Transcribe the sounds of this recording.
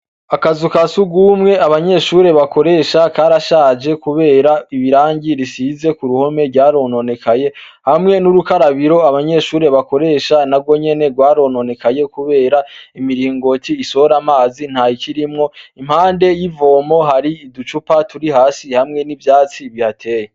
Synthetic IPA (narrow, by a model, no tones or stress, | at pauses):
akazukasuɡwuːmŋe̞aβaɲe̞ʃuːɾe̞βako̞ɾe̞ːʃakaːɾaʃaːd͡ʒe̞kuβe̞ːɾaiβiɾaːɲɟiɾisize̞kuɾuho̞me̞ɾɟaːɾo̞ːno̞ne̞kaje̞ | hamŋe̞nuɾukaɾaβiɾo̞aβaɲe̞ʃuːɾe̞βako̞ɾe̞ːʃanabɡwo̞ɲe̞ne̞ɡwaːɾo̞ːno̞ne̞kaje̞kuβe̞ːɾaimiɾiːŋɡo̞tʰiːso̞ɾamaːzin̥hajiciɾimŋo̞im̥haːnde̞jivo̞ːmo̞ɦaɾiidut͡ʃupatuɾiɦaːsihamŋe̞nivjaːt͡siβihatʰe̞ːje